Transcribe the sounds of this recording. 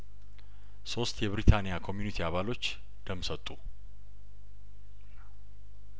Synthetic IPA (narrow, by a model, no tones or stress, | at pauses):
so̞st̪ʰʼjɛβɾit̪ʰanijakʰo̞mjunit̪ʰiaβalo̞t͡ʃː | d̪̥əmːsət̪ʼːu